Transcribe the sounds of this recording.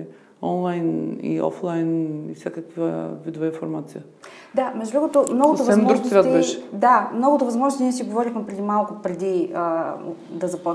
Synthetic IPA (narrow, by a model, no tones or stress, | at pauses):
ɔnlˠajnḭɔ̰flˠajnḭfsʲjakɐkva̰vid̪ʊvɐĩfoɾmat̪sijə | d̪amɛʒd̪ɾuɡʊt̪omnɔɡot̪ovɐɛmɔɾʒnsɾat̪bɛʃd̪amnɔɡʊt̪ovɐzmɔzʒnst̪niɛsiɡovɔɾʲixmɛpɾɛd̪imalˠkʊpɾɛd̪iə | d̪ɐzɐpɔ